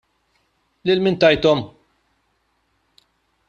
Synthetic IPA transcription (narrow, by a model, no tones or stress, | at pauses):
lɪlmɪːnt̪ɐjt̪ɔm